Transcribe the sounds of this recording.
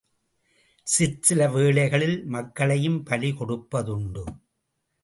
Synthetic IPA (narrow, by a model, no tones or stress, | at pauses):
sɪsɪlɐʋeːɭɐɪɣɐɭɪlmɐkːɐɭɐjɯmpɐlikɔɽɯpːɐðʊɳɖɯ